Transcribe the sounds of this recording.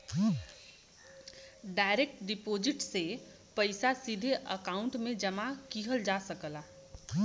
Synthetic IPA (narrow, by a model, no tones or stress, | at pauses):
ɖaːɪɾek̚ʈɖɪpoːd͡ʒɪʈse | pəɪsasid̪ʱeʔəkaːʊ̃ɳʈmẽd͡ʒəmakiɦəld͡ʒasəkəla